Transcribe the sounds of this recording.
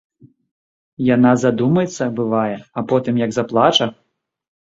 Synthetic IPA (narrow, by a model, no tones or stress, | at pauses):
janazad̪umɐjɛt̪sːɐbɨvajɛɐpɔt̪ɨmjɐɡzaplˠat͡ʂɐ